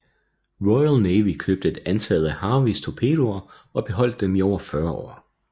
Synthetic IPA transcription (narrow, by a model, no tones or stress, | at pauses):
ʁɔɪælneɪʋikʰøːb̥d̥əe̝d̥ænt͡sʰæð̩ˠæhɑ̈ːʋist͡sʰo̝pʰe̝̰ːd̥oɐ | ɒ̽b̥e̝ɦɒ̽l̰d̥demiɒʊ̰ɐfɶɐɒ̰ː